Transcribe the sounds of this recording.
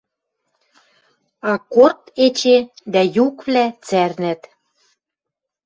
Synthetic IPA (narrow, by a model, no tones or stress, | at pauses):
ɑkort̪et͡ɕed̪æjukβlæt͡sæɾnæt̪